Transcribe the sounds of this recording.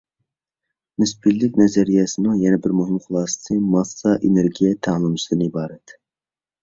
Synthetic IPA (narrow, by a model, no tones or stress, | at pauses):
nyspilːɪkʲnɛzɛɾijɛsɨnɨŋjɛnɛbɪɾmuɦɪmχʊlˠɑːsɨ̥sʰɨmɑsːɑʔeneɾɡʲijɛt̪ʰɑlˠɨmsilˠd̪ɨnɨibɑːɾɛt̪